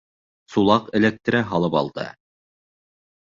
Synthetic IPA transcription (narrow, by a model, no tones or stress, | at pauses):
sulˠɑqɘ̆læk̚t̪̆ɾɘɦɑlˠɤpɑ̰lˠd̪ɤ̰